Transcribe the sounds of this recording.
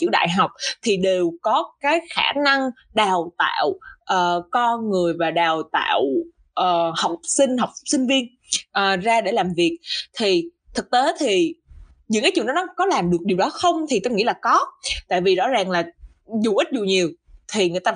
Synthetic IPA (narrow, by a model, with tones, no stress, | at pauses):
t͡ɕɨ̰˧˥əwɗa̰ː˧˨jɦa˨˩wk͡p̚t̪ʰi˨˩ɗe˨˩wkɔ˨˦kaː˨˦jxaː˧˩na˧ŋ | ɗaː˨˩wt̪a̰ː˧˨wʔəː˨˩kɔ˧ŋɨ˨˩əjvaː˨˩ɗaː˨˩wt̪a̰ː˧˨w | ʔəː˨˩ha˨˩wk͡p̚sï˧ŋ̟ɦa˨˩wk͡p̚sï˧ŋ̟vi˧ən | ʔəː˨˩zaː˧ɗe˧˩laː˨˩mvi˨˩ək̚t̪ʰi˨˩ | t̪ʰɨ˨˩k̚t̪e˨˦t̪ʰi˨˩ | ɲɨ̰˧˥ŋkaː˨˦jt͡ɕɨ̰˧˨ɗnɔ˨˦kɔ˨˦laː˨˩mɗɨ˨˩ək̚ɗi˨˩wɗɔ˨˦xə˧wŋ͡mt̪ʰi˨˩t̪o˧wŋḭ˧˥laː˨˩kɔ˨˦t̪a̰ː˧˨jvi˨˩zɔ̰˧˥zaː˨˩ŋlaː˨˩ | zu˨˩ʔi˦˥t̚zu˨˩ɲi˨˩əw | t̪ʰi˨˩ŋɨ˨˩jt̪aː˧